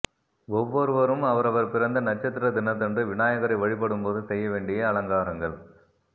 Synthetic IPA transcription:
ɔʋːɔɾɯʋɐɾɯmɐʋɐɾɐʋɐɾpɪrɐnd̪ɐnɐt͡ʃːɐt̪ːɪɾɐd̪ɪnːɐt̪̬ːɛndrɯʋɪnaːjɐɣɐɾɐɪʋɐɻɪp̬ːɐɽɯmpoːðɯsɛjːɐʋeːɳɖɪjɐɐɭɐŋɡaːɾɐŋɡɐɭ

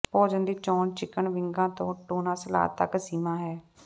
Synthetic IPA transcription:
pɔːd͡ʒənd̪iːt͡ʃɔːnt͡ʃɪkəɳʋɪŋɡãːt̪õːʈoːnãːsəla̰ːt̪əksiːmãːɦɛː

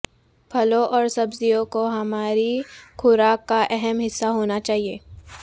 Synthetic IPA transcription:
pʰɐlõʔɔːɾsɐbzijõkoɦɐmaːɾikʰʊɾaːkːaʔɛɦɛmɦɪsːaɦoːnat͡ʃaːɦieː

